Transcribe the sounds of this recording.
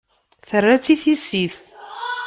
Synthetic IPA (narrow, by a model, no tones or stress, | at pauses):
θərːæt͡sːiθisiθ